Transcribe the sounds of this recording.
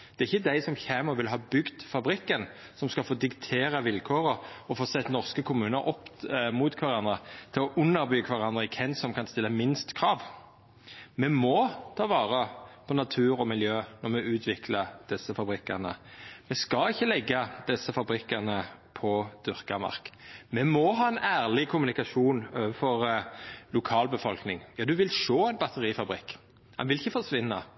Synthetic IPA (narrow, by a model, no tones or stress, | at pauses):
d̪̥ɛʁɪçːəd̪æɪsɔmçeːməʁʋɪlɦɑːbʏɡd̪fɑbɾɪkːən | sɔmskɑlfoːd̪ɪkt̪ʰeːʁəʋɪlkʰoːʁəɔfoːsɛt̪ːnɔʁskəkʰʊmʉːnəɾʔɔpːmuːt̪kʰʋɑʁɑnd̪ʁət̪ʰɪlɔʔʉnːəɾbyːkʰʋɑʁɑnd̪ɾəɪkʰɛnsɔmkʰɑnst̪ɪlːəmɪnst̪kʰʁɑːʋ | mɛmɔt̪ʰɑːʋɑːʁəpʰɔnɑt̪ʰʉːɾʁɔmɪljøːnɔʁmɛʉːt̪ʰʋɪkʰləd̪̥ɪsːəfɑbɾɪkːəʁnə̰mɛskɑɪçːəlɛɡːəd̪̥ɛsːəfɑbɾɪkːəʁnəpʰɔd̪̥ʏʁkəmɑ̰ʁkmɛmɔɦɑːɛnæːʁlɪkʰʊmʉnɪkɑʃuːnøːʋəfɔʁlʊkʰɑːlbəfɔlknɪŋjɑːd̪ʉʋɪlʃoːæɪnbɑt̪ʰəʁiːfɑbɾɪkː | hɑ̰nʋɪlɪçːəfɔʁsʋɪnːə̰